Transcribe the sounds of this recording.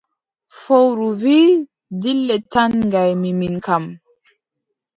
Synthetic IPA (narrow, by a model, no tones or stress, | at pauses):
fowɾuvi | dilːɛtanŋɡajmiminkam